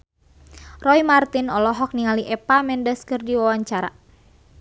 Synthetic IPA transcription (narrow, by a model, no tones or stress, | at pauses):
rɔimart̪inɔlɔɦɔk̚niŋaliʔɛpamɛndəskɨrdiwawaɲt͡ʃaɾa̰